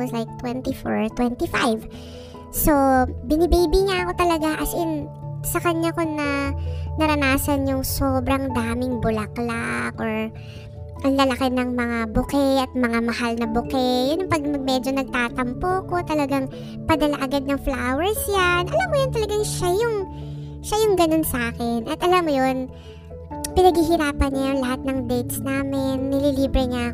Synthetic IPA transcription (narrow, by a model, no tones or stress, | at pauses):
wɔslajk̚t̪wɛnt̪ifoɹt̪wɛnt̪ifajv | so̞bɪnibijbɪɲaʔɐko̞t̪ɐlɐɡaʔɐsʔɛnsɐkɐɲːakoŋnɐnɐɾɐnaːsɐnjʊŋso̞ːbɾɐŋd̪aːmɪŋbʊlɐklakʔoɹ | ʔɐlɐlɐkɛnɐŋmɐŋabʊkɛʔɐt̪̚mɐŋamɐhalnɐbʊkɛjʊnʊŋpɐɡ̚mɐɡ̚mɛd͡ʒo̞nɐɡ̚t̪aːt̪ɐmpoːko̞t̪ɐlɐɡaŋ | pɐd̪ɐlaʔɐɡad̪̚nɐŋflawɛɹsjanʔɐlamːojʊnt̪ɐlɐɡaŋʃajʊŋ | ʃajʊŋɡɐno̞nsɐʔaːkɛnʔɐt̪ʔɐlamːojon | pɪnɐɡhiɦɪɾaːpɐnɲajʊŋlɐhat̪̚nɐŋd̪ɛjt̪snaːmɪnːɪliliːbɾɛɲa